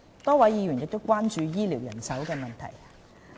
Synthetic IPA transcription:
t̪ɔː˥wɐ˨˥jiː˨˧jɥyː˨˩njɪ˨k̚t̪o˥wkʷaː˥nt͡ʃyː˧jiː˥liː˨˩wjɐ̰˨˩nsɐ˨˥wkɛː˧mɐ˨nt̪ʰɐ̰˨˩j

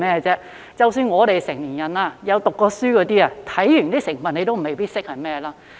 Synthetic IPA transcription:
mɛː˥˨t͡sɛː˥ | t͡sɐ˨wsyː˧nŋɔː˨˧ɾe˨jsɪ˨˩ŋliː˨˩njɐ˨naː˧jɐ˨˧wt̪ʊ˨kːɔː˧syː˥kɔː˨˧t̪iː˥a˨t̪ʰɐ˨˥jjy˨˩nt̪iː˥sɪ˨˩ŋfɐ˨ne˨˧t̪o˥m̩˨˩me˨˩jpiː˥t̚sɪ˥k̚hɐ˨jmɛː˥laː˥

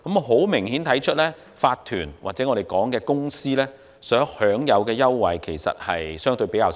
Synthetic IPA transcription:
kɐ˨˥m˧ɦo˨˥wmɪ˨˩ŋhiː˨˥nt̪ʰɐ˨˥jt͡ʃʰɵ˥t̚lɛː˥ | faː˧t̪ʰyː˨˩nwaː˨t͡sɛː˨˥ŋɔː˧de˨˩jkɔː˨˥ŋkɛː˧kʊ˥ŋsiː˥lɛː˥ | sœː˨˥ŋhœː˨˥ŋjɐ˨˧wkɛː˧jɐ˥wwɐ˨jkʰe˨˩jsɐ̰˨t̚hɐ˨jsœː˥ŋt̪ɵ˧ɥpe˨˥kaː˧w

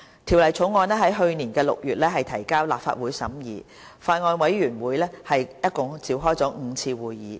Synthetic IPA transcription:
t̪ʰi˨˩wlɐ˨˩jt͡sʰʊ˨˥wŋɔː˧nɛː˥ɦɐ˨˥jɦɵ˧ɥniː˨˩nkɛː˧lʊ̰˨k̚jyː˨t̚lɛː˥ɦɐ˨jt̪ʰɐ˨˩jkaː˥wla̰ː˨pfa̰ː˧t̚wuː˨˥jsɐ̰˨˥mjiː˨˥ | faː˧tŋɔː˧nwɐ˨˥jɥyː˨˩nwuː˨˥jlɛː˥hɐ˨jjɐ˥t̚kʊ˨˧ŋt͡siː˨˧wɦɔː˥jt͡sɔː˨˥ŋ̩˨˧t͡sʰiː˧wuː˨jːiː˨˥

